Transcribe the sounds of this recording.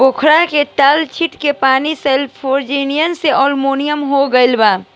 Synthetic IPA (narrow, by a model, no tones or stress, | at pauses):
bokʰɾaket̪aːlt͡ʃʰiʈkepaːnisɛlpʰoɾd͡ʒinijənseʔɔːlmoːnijəmɦoɡəɪlbaː